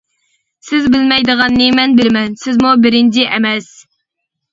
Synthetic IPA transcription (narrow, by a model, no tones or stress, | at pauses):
sɪzbɪlmɛjd̪əʁɑnːɨmɛnbɪlmɛnsɪzmubɪɾɪnt͡ʃʰiʔɛmɛs